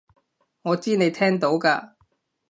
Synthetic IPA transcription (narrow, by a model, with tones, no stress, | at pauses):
ŋɔː˨˧t͡siː˥ne˨˧jt̪ʰɛː˥ŋt̪o˨˥wkaː˧